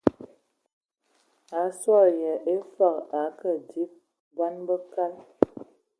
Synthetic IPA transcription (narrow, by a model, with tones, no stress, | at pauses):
a˨˦swɔ˦˨jɛ˨ʔe˦fa˦˨ka˨kə˨di˦p̚ | ba˦nbə˦ka˦l